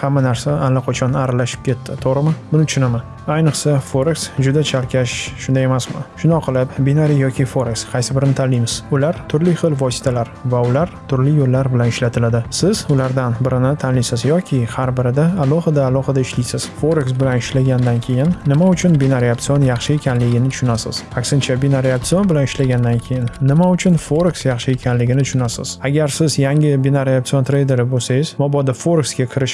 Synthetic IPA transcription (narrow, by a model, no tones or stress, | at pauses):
hamːanaɾsaalːaqʰot͡ʃʰɒnaɾalaʃɪ̥p̚kʲe̞t̪ʰːɪt̪ʰoɾɪmɪbʊnɪt͡ʃʰɪnɪmɪ | ajnɨqsafoɾeksd͡ʒʊd̪at͡ʃʰalkʲʰaʃʃʊnd̪aje̞masmɪ̰ʃʊnɒqʰɨlˠɪpbinaɾijɒkʲʰɪfoɾeksqʰɑjsɪbɪɾɪnɪt̪ʰalːijmɪz̥ʊlaɾt̪ʰʊɾlɪχɨlˠvɒsɪ̥t̪ʰalaɾvaʊlaɾt̪ʰʊɾlɪjolːaɾbɪlanɪʃlat̪ʰɪlad̪ɪsɪz̥ʊlaɾd̪anbɪɾɪnɪt̪ʰanlijsɪzjɒkʲʰɪhaɾbɪɾɪd̪aːlˠɒhɪd̪aːlˠɒhɨd̪aɪʃlijsɪz̥fo̞ɾksbɪlanɪʃlaɡʲand̪ankʲʰe̞jɪnːɪmaʊt͡ʃʰʊnbenaɾiapt̪sɨjo̞njɑχʃɪe̞kʲanlɪɡʲɪnɪt̪ʰʊ̥ʃʊnasɪ̰z̥akʲsɪnt͡ʃʰabenaɾiap̚t̪sɨjo̞nbɪlanɪʃlaɡʲand̪ankʲʰe̞jɪnːɪmaʊt͡ʃʰʊnfo̞ɾksjɑχʃɪekʰʲanlɪɡʲɪnɪt̪ʰʊ̥ʃʊnasɪ̰z̥aɡʲaɾsɪzjaŋʲɪbenaɾjap̚t̪sijo̞nt̪ʰɾe̞jd̪e̞ɾɪbolsajɪzmɒbɒd̪afo̞ɾksɡʲakʲʰɪɾɪʃ